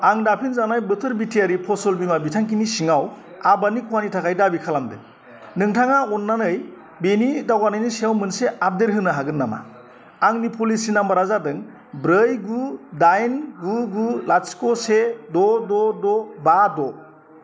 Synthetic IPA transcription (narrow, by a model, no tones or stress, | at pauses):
aŋdapʰinzanajbɯtʰɯɾbitʰijaɾipʰɔsɔlbimabitʰaŋkinisiŋaw | abanikʰuwanitʰakʰajdabikʰalamdɯ̰ | nɯŋtʰaŋaɔnːanɯj | benidawanɯjnisiawmɯnseʔap̚deɾɦɯnɯɦaɡɯnːama̰ | aŋnipʰulisinambaɾazadɯŋ | bɾɯjɡudajnɡuɡulaskɔsedɔdɔdɔbadɔ